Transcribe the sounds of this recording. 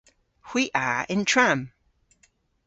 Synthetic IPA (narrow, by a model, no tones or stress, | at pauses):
wiʔəɪ̃ntʰɹ̥ãm